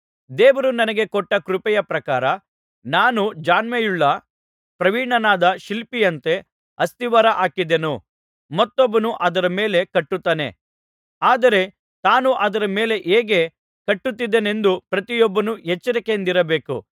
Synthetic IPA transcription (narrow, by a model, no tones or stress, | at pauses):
d̪eːʋɐɾunɐnɐɡe̞kɔʈːɐkɾupɛjɐpɾɐkaːɾɐ | naːnud͡ʒaːnmejuɭːɐ | pɾɐʋiːɳɐnaːd̪ɐʃilpijɐnt̪e̞ | ɐst̪iʋɐɾɐʔaːkid̪enu | mɐt̪ːɔbːɐnuʔɐd̪ɐɾɐme̞ːle̞kɐʈːut̪ːaːne̞̰ | aːd̪ɐɾe̞ | t̪aːnuʔɐd̪ɐɾɐme̞ːle̞ʔeːɡe̞ | kɐʈːut̪ːid̪ːene̞nd̪upɾɐt̪ijɔbːɐnuɦet͡ʃːɐɾikend̪iɾɐbe̞ːkṵ